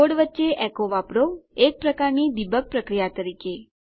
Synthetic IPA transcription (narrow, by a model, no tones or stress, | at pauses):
oɽʋətːʃeʔɛkoʋapɾoek̚pɾəkaɾnid̪ibʱək̚pɾəkɾijat̪əɾike